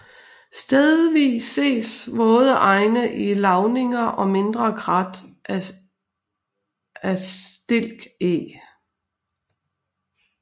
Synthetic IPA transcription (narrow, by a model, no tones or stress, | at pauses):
sd̥eðˠʋḭːsːe̝̰ːsʋɔ̽ːð̞̩ˠəʔɑ̈ɪnəʔilɑ̈ʊne̝ŋɐʔɒ̽me̝nd̥ʁɐkʰʁɑd̥ | æsd̥e̝l̰ɡ̥e